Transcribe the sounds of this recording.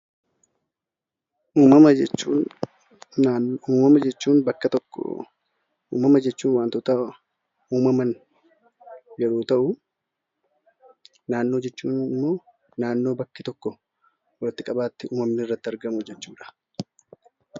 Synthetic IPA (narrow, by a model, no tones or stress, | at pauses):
ʔuːmɐɐt͡ʃːuː | uːmɐmɐd͡ʒɛt͡ʃːuːnbɐkːɐt̪ɔkː | ṵːmɐmɐd͡ʒɛt͡ʃːuːnwaːnt̪ot̪ɐ | uːmɐmɐn | d͡ʒɛᶑuːt̪ɐʔʊ | naːnːo̞ːd͡ʒɛt͡ʃːuːnɪmːo̞ː | naːnːo̞ːbɐkːɪt̪ɔkːɔ | wɐlɪt̪ːɪkʼɐbaːt̪ːɪuːmɐmnɪɪrːɐt̪ːɪɐɾɡɐmʊd͡ʒɛt͡ʃːuːᶑɐ̥